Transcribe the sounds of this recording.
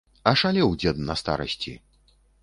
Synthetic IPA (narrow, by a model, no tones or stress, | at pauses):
ɐʂalʲɛwd͡zʲɛd̪nɐst̪a̰ɾɐ̰sʲt͡sʲi